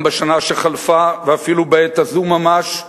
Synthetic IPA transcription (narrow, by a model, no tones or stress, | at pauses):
beʃanaʃeχalfaveafilubeetazumːamaʃ